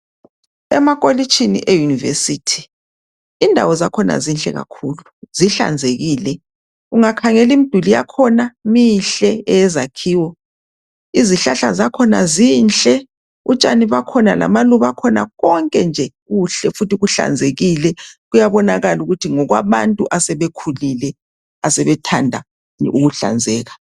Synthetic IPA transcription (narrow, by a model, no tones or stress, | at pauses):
ɛ̰makʼolit͡ʃʰinḭʔejunivḛsitʰi̥ | indʱa̰wɔzakʰɔna̰zinɬʼɛ̰ɣa̰kʰuːluziɬa̰nd͡zʱeɣiːlɛ | uŋakʰaŋɛlimid̥ʱulija̰kʰɔnamiɬɛɛɛzakʰiːwɔ | iziɬaɬa̰zakʰɔnaziːnt͡ɬʼɛ | ut͡ʃʼaniβakʰɔna̰la̰maluβakʰɔna̰ɣɔŋkʼɛnd͡ʒʱɛɣuɬɛfutiɣuɬa̰nd͡zʱeɣilɛɣujaβɔnaɣaluɣutʰiŋɔɣwaβantʼuʔasɛβekʰulilɛ | asɛβɛtʰandʱa̰ | uɣuɬa̰nd͡zʱɛːɣa